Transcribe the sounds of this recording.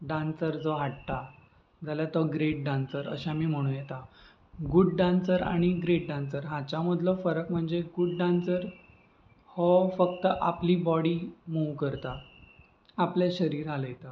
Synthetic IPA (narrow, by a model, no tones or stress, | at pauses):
ɖãnsəɾd͡zɔɦaʈt̪a | d͡zʱaljat̪ɔɡɾeʈ̚ɖãnsəɾə̰ɕamiːm̤əɽ̃ũːjɛt̪a | ɡuɖɖãnsəɾa̰ɽ̃iɡɾeʈ̚ɖãnsəɾɦãt͡ɕamud̪ʱlɔfəɾəkm̤əɳd͡zeɡuɖɖãnsəɾ | hɔfək̚t̪əʔapliːbɔɽiːmuʋkəɾt̪a | apljeɕəɾiːɾaləjet̪a